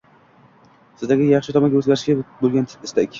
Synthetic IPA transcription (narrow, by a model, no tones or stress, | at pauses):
sɪzd̪aɡʲɪjaχʃɪt̪ʰɒmanɡʲaɵzɡʲaɾɪʃɡʲabolˠɡʲant̪ʰɪ̥tɪst̪ekʲ